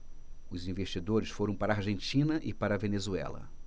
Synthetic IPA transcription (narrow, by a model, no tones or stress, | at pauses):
ʊzĩveʃt͡ʃid̪oɾɪsfoɾɐ̃w̃paɾaːɾʒẽnt͡ʃĩnɐʔɪpaɾɐvenezuɛ̰lɐ̰